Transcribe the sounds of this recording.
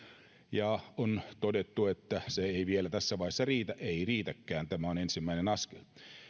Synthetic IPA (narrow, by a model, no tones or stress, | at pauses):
jɑont̪odet̪ːuet̪ːæseeiʋielæt̪æsːæʋɑihesːɑriːt̪æʔeiriːt̪ækːæːnt̪æmæonensimːæinenɑskel